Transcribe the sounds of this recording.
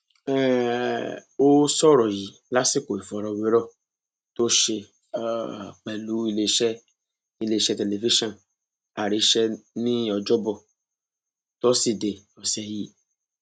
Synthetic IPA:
ɛ˦ | o˦sɔ˦ɾɔ˨ji˨ | la˦si˦ko˨e˨vɔ˨ɾɔ˨we˦ɾɔ˦ | t̪o˦ʃe˧˨˦ | k͡pɛ˨lu˨˦i˦le˨ʃɛ˦ | i˨le˨ʃɛ˦te˨le˨vi˦ʃɔ̃˨n | a˨ɾi˨ʃɛ˦nĩ˦ɔ˨d͡ʒɔ˦bɔ˨ | to˦si˨de˨ | ɔ˨sɛ˨ji˦

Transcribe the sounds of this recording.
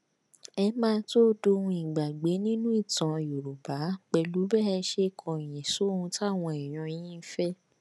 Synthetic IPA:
ɛ˧mãː˦˧˦to˦do˧hũ˧i˨ɡ͡ba˨ɡ͡be˨˦nĩ˦nũ˦i˦˨tã˨jo˨ɾu˨ba˨˦k͡pɛ˧lu˨˦bɛ˦ɛ˧ʃe˧˦˨kʰɔ̃˨j̃ĩ˨so˨˦hũ˧ta˦˨w̃ɔ̃˧ɛ˨j̃ɔ̃˧˦jĩ˦fɛ˦

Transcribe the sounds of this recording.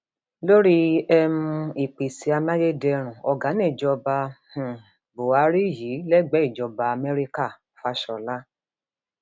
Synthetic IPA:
lo˦ɾi˦ɛ˧mũ˧i˨k͡pi˨si˧˦a˧ma˦je˦dɛ˧ɾ̃ũ˨ɔ˧ɡa˨˦nĩ˦˨d͡ʒɔ˧ba˧h̩˨ | bo˨a˨˧˦ɾi˦˨ji˨˦lɛ˦˨ɡ͡bɛ˨˦i˦˨d͡ʒɔ˧ba˧a˧mɛ˦ɾi˦ka˦˨ | fa˧ʃɔ˨la˦

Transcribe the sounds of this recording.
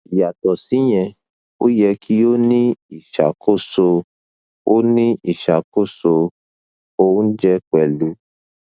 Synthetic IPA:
i˨ja˨tɔ˨si˨˦j̃ɛ̃˧ | o˦jɛ˧kʰi˦jo˦nĩ˦i˦˨ʃa̰˨kʰo˦so˧ | o˦nĩ˦i˨ʃa˨ko˦˨so˧ | õ˦d͡ʒɛ˦k͡pɛ˨lu˨˦

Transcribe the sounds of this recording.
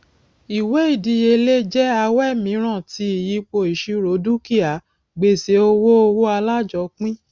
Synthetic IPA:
i˨we˨˦i˦˨di˨˧˦je˧le˦d͡ʒɛ˦a˧wɛ˦˨mĩ˨˦ɾ̃ã˦˨ti˨˧˦i˨ji˨˧˦k͡po˧˨i˨ʃi˨˧ɾo˨˦du˦ki˦a˨˦ | ɡ͡be˧˨se˨˦o˧wo˦o˧wo˦a˧la˦d͡ʒɔ˨˦k͡pĩ˦

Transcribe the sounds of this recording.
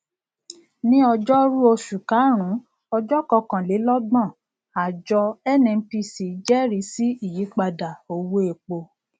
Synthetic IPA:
nĩ˦ɔ˧d͡ʒɔ˦ɾu˦o˧ʃu˨kã˨˦ɾ̃ũ˨˦ | ɔ˧d͡ʒɔ˦kɔ˧kã˨le˨˦lɔ˦ɡ͡bã˦˨ | a˨d͡ʒɔ˧ɛ˦˨nɛ̃˧˦pi˧˦si˨˦d͡ʒɛ˦ɾi˨˦si˦i˦˨ji˨˦k͡pa˧da˨o˧wo˦e˨k͡po˧

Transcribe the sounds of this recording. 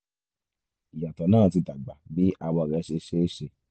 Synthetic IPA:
i˨ja˨tɔ˨nãː˦˨ti˧da˨ɡ͡ba˨bi˨˦ʔa˧wɔ˧˨ɾɛ˨˧˦ʃe˧ʃe˦ʃe˧

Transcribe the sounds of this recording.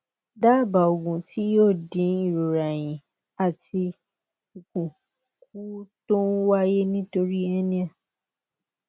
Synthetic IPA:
da˦˨ba˨o˨ɡũ˨ti˨˦joː˦˨dĩ˨˦i˦˨ɾo˨ɾa˨j̃ĩ˨ | a˨ti˧ | u˨kũ˨ | k̚u˦tõ˦wa˦je˦nĩ˦to˧ɾi˦ɛ˦nĩ˦ã˦˨

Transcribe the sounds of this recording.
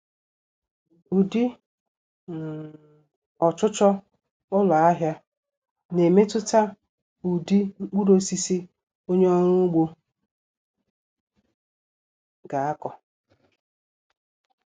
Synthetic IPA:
u˨di˦˨ | ɔ˨t͡ʃʊ˦t͡ʃɔ˦ | ʊ˦la˨a˦ɦja˦ | ne˨me˦tʊ˦ta˦ | u˨di˦ŋ͡m̩˦k͡pu˦ɾo˦si˦si˦ | o˦ɲe˦ɔ˦ɾʊ˦ɡ͡bo˦ | ɡa˨a˦kɔ˨

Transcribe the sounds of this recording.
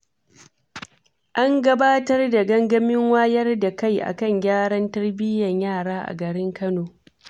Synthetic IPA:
ʔa˦ŋɡɐ˦baː˦tɐ˦rda˨ɡɐ˦ŋɡɐ˦mɪ˦ŋwaː˦jɐ˦rda˨ka˦˨jʔa̰˨kɐ˦˨ɲɡʲaː˦ɽɐ˦ntɐ˦rbɪ˦jɐ˨ɲjaː˦˨ɽaː˦ʔa̰˨ɡɐ˨ɽɪ˦ŋkɐ˦noː˨

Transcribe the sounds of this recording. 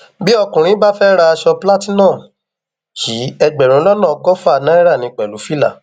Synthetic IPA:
bi˦ɔ˧kũ˨ɾ̃ĩ˨˦ba˦fɛ˦ɾa˧a˧ʃɔ˧pla˦tĩ˦nɔ̃˦˨ | ʃi˨˦ɛ˧ɡ͡bɛ˨ɾ̃ũ˨˦lɔ˦nɔ̃˦˨˧kɔ˦fa˦˨nã˦ɛ˦ɾa˦˨nĩ˧k͡pɛ˨lu˨˦fi˦la̰˦˨

